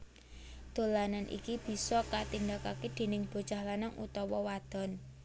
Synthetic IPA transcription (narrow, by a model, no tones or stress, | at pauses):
d̪̥o̤lananʔḭkib̥i̤sɔkat̪indakaked̪̥e̤nɪŋb̥o̤̥t͡ʃahlanaŋṵt̪ɔwɔwad̪̥ɔ̤n